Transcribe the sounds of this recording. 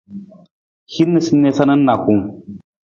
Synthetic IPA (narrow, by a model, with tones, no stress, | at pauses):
hi˦nːɨ˦˨si˦nːe˦sa˦nə˦nːa˨ku˨ŋ